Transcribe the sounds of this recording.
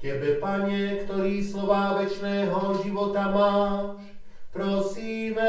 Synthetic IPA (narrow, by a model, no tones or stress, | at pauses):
cɛbɛpaɲɛkt̪ɔɾiːslɔʋaːʋɛt͡ʃnɛːɦɔʒiʋɔt̪amaːʃ | pɾɔsiːmɛ